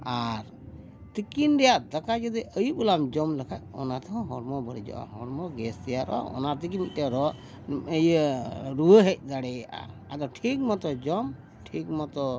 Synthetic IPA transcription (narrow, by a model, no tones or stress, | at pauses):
aɾ | t̪ikinɖɛjaʔd̪akad͡ʒəd̪ɛʔəjubulamd͡ʒɔmləkʰat̚ɔ̰nat̪ɔɦɔ̃ɦɔɽmɔbəɽid͡ʒɔ̰ʔa̰ɦɔɽmɔɡɛst̪ɛjaɾɔ̰ɔ̰naɾt̪ikimitɛɾɔ | əjɾuəɦɛc̚ˀd̪aɽɛa̰ | ad̪ɔʈʰik̚mɔt̪ɔd͡ʒɔm | ʈʰik̚mɔt̪ɔ